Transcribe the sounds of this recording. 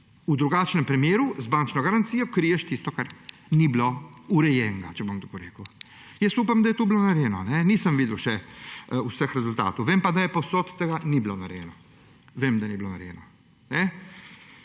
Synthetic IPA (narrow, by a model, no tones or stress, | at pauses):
ud̪ɾuɡaːt͡ʃnɛmpɾɛmjeːɾuzbant͡ʃnɔɡaɾant̪siːjɔkɾiːjɛʃt̪ist̪ɔkaɾ | niblouɾɛjɛːŋɡat͡ʃɛboŋd̪okoɾḛːkəw | jɛsuːpamd̪ajɛt̪oublonaɾjɛːnɔnɛniːsəmʋid̪lʃɛusəxɾɛzult̪a̰ːt̪owʋeːmpad̪ajɛposot̪t̪ɛɡaniblonaɾjɛ̰nɔ | ʋeːmd̪aniblona̰ɾjɛ̰ːnɔ | nɛ